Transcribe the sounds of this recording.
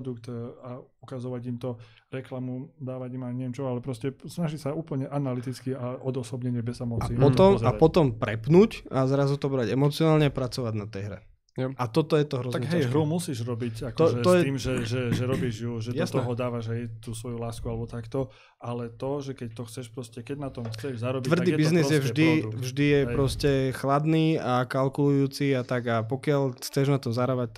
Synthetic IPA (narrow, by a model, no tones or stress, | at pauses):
d̪ukt̪aukazɔʋaɟimt̪ɔ | ɾɛklamud̪aːʋaɟimaɲɛʋjɛmt͡ʃɔalɛpɾɔscɛsnaʒicsauːpl̩ɲɛʔanalit̪it͡skiaɔd̪ɔsɔbɲɛɲɪɛbɛzɛmɔt͡saipɔt̪ɔmzaapɔt̪ɔmpɾɛpnuːcazɾazut̪ɔbɾaɟɛmɔt͡siɔnaːlɲɛapɾat͡sɔʋaɟnat̪ɛjɦɾɛ̰ | ʔat̪ɔt̪ɔjɛt̪ɔɦɾɔzaɛɡɦɛjɦɾumusiːʒɾɔbicak̪ɛɔjɛiːmʒɛʒɛʒɛɾɔbiːʒjuʒɛdjasnɔɦɔd̪aːʋaʒajt̪uːsʋɔjulaːskualɛbɔt̪akt̪ɔ | alɛt̪ɔʒɛkɛct̪ɔxt͡sɛʃpɾɔscɛkɛɟnat̪ɔmxt͡sɛʒzaɾɔbʋrd̪iːbiznizjɛvʒd̪ivʒd̪ijɛpɾɔscɛxlad̪niːakalkulujuːt͡siat̪aɡapɔkɪaʎxt͡sɛʒnat̪ɔmzaɾaʋac̪̚